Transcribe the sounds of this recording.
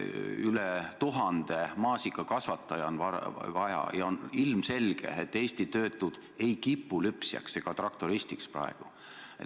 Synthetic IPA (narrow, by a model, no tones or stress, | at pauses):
ylet̪uɦɑnd̪̥e̞mɑːsikːˑɑkɑsvɑt̪ˑːɑjɑnvɑvɑjɑ̰jɑo̞nilmse̞lɡ̥e̞̰et̪ːe̞ːst̪it̪ø̞ːt̪ːˑud̪̥ | e̞jkipːulypsjɑ̰kse̞ɡ̥ɑt̪rɑkt̪oɾist̪iksprɑ̰eɡ̥u | e